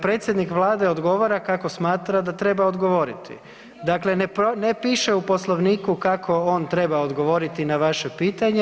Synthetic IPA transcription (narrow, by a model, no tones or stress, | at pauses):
pɾe̞ːt̪sjed̪nikʋlˠaːd̪eo̞d̪ɡo̞ʋoɾakako̞smaːt̪ɾad̪at̪ɾe̞baod̪ɡo̞ʋo̞ɾit̪ḭ | d̪akle̞nepnepiːʃeupo̞slˠoʋniːkukakʰo̞ont̪ɾe̞baod̪ɡo̞ʋo̞ɾit̪inaʋaʃe̞piːt̪aɲe